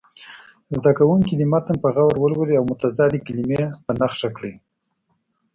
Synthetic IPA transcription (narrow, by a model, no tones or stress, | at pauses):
zd̪akawuŋkid̪imat̪ənpəɣawɾwəlwəliawmʊt̪azɑd̪ikilimepənaxʂakɽi